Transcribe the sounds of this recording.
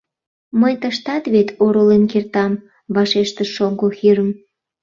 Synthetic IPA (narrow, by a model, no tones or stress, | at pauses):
məjt̪əʃt̪ɑt̪βet̪ʰoɾolenkert̪ɑm | βɑʃeʃt̪ə̆ʃoŋɡoxiɾəm